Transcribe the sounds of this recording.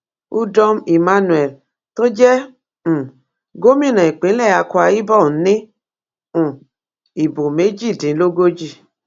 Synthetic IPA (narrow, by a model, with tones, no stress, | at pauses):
u˦dɔ˦mi˨ma˦nu˨ɛ˨l | to˦d͡ʒɛ̃˦˨ | ɡo˦mĩ˦˨nã˨i˨k͡pẽ˨˦lɛ˦˨ja˧ku˧˦a˧i˦bɔ˦˨˦nẽ˦ | ũ˨ | i˨bo˨me˨˦d͡ʒi˦˨dĩ˨˦lo˦ɡo˦d͡ʒi˦˨